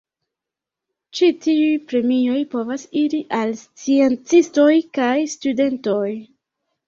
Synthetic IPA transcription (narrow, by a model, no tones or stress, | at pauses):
t͡ʃitiujpɾe̞mijo̞jpo̞vasiɾiʔalst͡sient͡sisto̞jkajstude̞nto̞j